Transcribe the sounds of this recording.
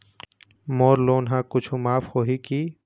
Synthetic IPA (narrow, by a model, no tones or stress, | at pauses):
moːɾloːnɦãːkʊt͡ʃʰũmaːfhoːɦikiː